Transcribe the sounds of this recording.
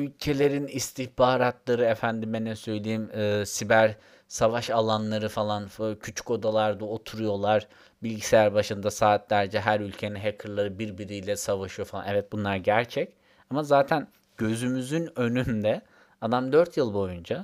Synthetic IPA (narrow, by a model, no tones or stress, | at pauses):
ylʲcʰe̞lʲe̞ɾinist̪ʰihbaːɾat̪lˠaɾɯefænd̪imɛnɛsø̞jlʲejimɯːsibæɾ | savaʃalˠanlˠaɾɯfalˠancʰyt͡ʃʰy̥ko̞d̪alˠaɾd̪aot̪ʰuɾujo̞lˠaɾ̥ | bilʲɟisejæɾbaʃɯnd̪asaːt̪lʲæɾd͡ʒɛɦæɾylʲcʰeninɦekʰɯɾlˠaɾɯbiɾbiɾijlʲɛsavaʃɯjo̞falˠa̰nɛvɛt̪̚bunlˠaɾɟæɾt͡ʃʰɛc | amazaːt̪ʰæn | ɟ̥ø̞zymyzynø̞nynd̪ɛ | ad̪amd̪ø̞ɾt̪ʰjɯlˠbo̞jund͡ʒa